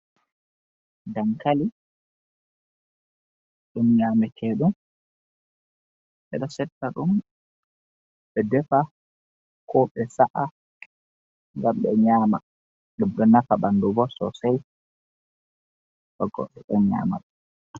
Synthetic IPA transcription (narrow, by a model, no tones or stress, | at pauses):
daŋkali | ɗumɲaːmɛkʰɛɗum | ɓɛ̰ɗɔsɛtːaɗum | ɓɛdɛfa | kʰɔɓɛsaʔa | ŋɡamɓɛɲaːma̰ | ɗumɗɔnafaɓandubɔsɔ̰saj | ɓɔɡɔ̰ɗɛɗɔɲa̰ːma̰ɗ